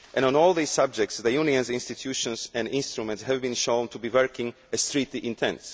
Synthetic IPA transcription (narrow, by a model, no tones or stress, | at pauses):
ʔɛ̃nə̃nɔlˠðissab̚d͡ʒɛk̚tsðəjuniə̃nzɪ̃nstɨt̪ʰjuʃɔ̃nzɛ̃ndɪ̃nst̪ɹumɛ̃ntshɛvbĩnʃõʊ̃ntʰubivɜɹkɪ̃ŋ | ɨst̪ɹitliʔɪ̃ntʰɛ̰̃ns